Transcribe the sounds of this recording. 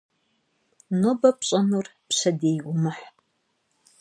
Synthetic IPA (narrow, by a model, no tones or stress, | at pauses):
nobɐpʰɕʼɐnurpʰʃʷɐdejɡʷʊmɨħ